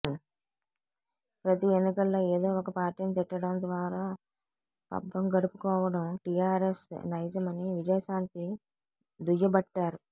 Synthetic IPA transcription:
pɾɐt̪ienːikɐlːo̞ːeːd̪o̞ːɔkɐpaːɾʈiːnit̪ɛʈːɐɽɐmd̪ʋaːɾaː | pɐ̰bːɐmɡɐɽupu̥kɔːʋɐɽɐmʈiaːɾesnɐjd͡ʒɐmɐniʋid͡ʒɐjɐsaːnt̪i | d̪ujɐbɐʈːaːɾu

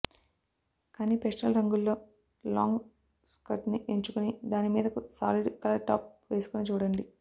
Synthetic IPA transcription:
kaːniːpeʂʈɐlɾɐŋɡulːo̞ː | laːŋɡ | skɐʈniʔeɲt͡ʃukunid̪aːnimiːd̪ɐkusaːliɖkɐlɐɾʈa̰ːp̚ʋe̞ːsu̥kunit͡ʃuːɽɐɳɖi

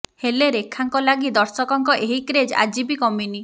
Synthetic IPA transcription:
heleɾekʰaŋkɔlaɡid̪ɔɾsɔkɔŋkɔʔeɦikɾed͡ʒa̰d͡ʒibikɔmjini

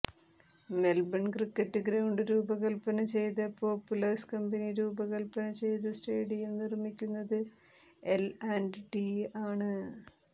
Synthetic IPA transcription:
melbɐɳkrikːɐtːɨɡɾɐwɳɖɨɾuːbɐkɐlpɐnɐt͡ɕe̞jt̪̬ɐpo̞ːpːulɐrskɐmbɐniɾuːbɐkɐlpɐnɐt͡ɕe̞jt̪̬ɐsʈeːɖijɐmnirmikʲːunːɐðɨ | elanɖʈiaːɳɨ

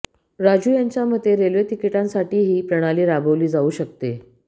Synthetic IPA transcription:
ɾad͡ʑuːjaɲt͡ɕjam̤əd̪ʱːjeɾelʋet̪ikiʈãnsaʈiːɦiːpɾəɽ̃aliːɾabʱəʋliːd͡zauːɕək̚t̪e

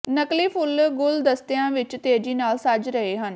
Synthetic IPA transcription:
nəkliːpʰʊlɡʊld̪əst̪ɪjãːʋɪt͡ʃt̪eːd͡ʒiːnaːlsəd͡ʒɾəɦeːɦən

